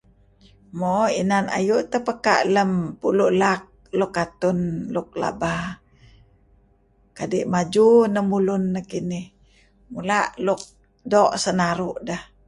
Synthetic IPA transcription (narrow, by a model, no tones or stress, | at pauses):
moinana̰juʔt̪əpəka̰ʔləmpuluʔlak̚lukːat̪unluk̚la̰ba | kadiʔmad͡ʒunəmulunːəkinih | mulaʔluk̚ | doʔsənaɾuʔdəh